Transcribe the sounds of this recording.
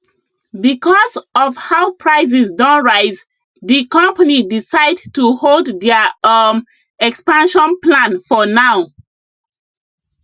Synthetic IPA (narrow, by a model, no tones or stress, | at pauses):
bikɔzɔvhaʊpʰɹaɪz̬isdɔ̃nɹaɪz | ðikɔ̃mpanidisaɪdtuholddɛʌm | ɛkspãnʃɔ̃nplãnfɔnaʊ